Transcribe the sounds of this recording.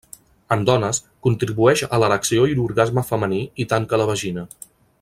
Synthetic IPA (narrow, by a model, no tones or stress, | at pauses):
əmd̪ɔnəskunt̪ɾiβuɛʃələɾəksioiluɾɣazməfəməniit̪aŋkələβ̞əʒinə